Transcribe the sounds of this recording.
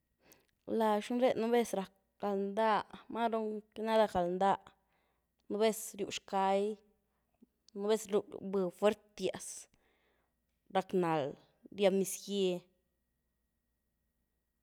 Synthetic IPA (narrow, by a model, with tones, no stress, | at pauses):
la˧ʃnɾe˦nu˦be˦sɾa˨k̚ | ɡ̥a˨lnd̪a˦˧ma˦ɾo˦ŋke˦na˦d̪a˧kɡa˨lnd̪a˦˧ʔ | nu˧˦be˦sɾju˨ʃka˧j | nu˧˦be˦sɾṵ˧˨bɨ˧fwe˦ɾt̪ja˨s | ɾa˧kna˨l | ɾja˧mi˧sɡe˧